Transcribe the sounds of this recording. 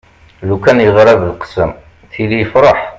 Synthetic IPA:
lukænjəʁɾˤɑvəlqə̥səm | θilijfɾˤɑħ

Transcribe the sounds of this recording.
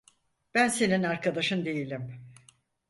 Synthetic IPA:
b̥ænse̞ninaɾkʰad̪aʃɯnd̪e̞jilʲim

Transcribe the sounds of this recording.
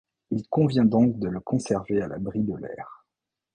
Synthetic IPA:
ilkɔ̃vjɛ̃d̪ɔ̃kd̪ələkɔ̃sɛʁveala̰bʁid̪əlɛ̰ːʁ

